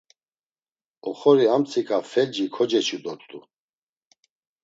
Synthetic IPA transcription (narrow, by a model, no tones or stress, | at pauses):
ɔχɔɾiamt͡sʰikʰafɛd͡ʒikʰɔd͡ʒɛt͡ʃʰud̪ɔt̪ʼt̪ʼṵ